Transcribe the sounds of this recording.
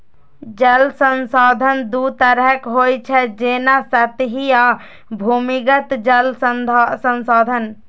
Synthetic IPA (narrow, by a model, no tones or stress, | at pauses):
d͡ʒəlsənsɔd̪ʱənd̪ut̪əɾəɦəkɦojt͡ʃʰɛd͡ʒenasət̪ɦija | bʱumiɡət̪d͡ʒəlsənsod̪ʱən